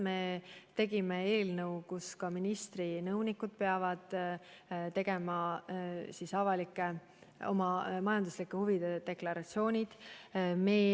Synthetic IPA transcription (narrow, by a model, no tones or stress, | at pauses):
me̞t̪e̞ɡ̥imee̞ːlnɤwkuskɑminist̪rinɤwnikːˑud̪̥̚peɑvɑd̪̥ | t̪e̞ɡ̥e̞mɑ | sisɑvɑlikːˑe | o̞̰mɑmɑjɑnd̪uslikːˑehuvid̪̥ed̪̥e̞klɑɾɑt̪sio̞ːnʲid̪̥me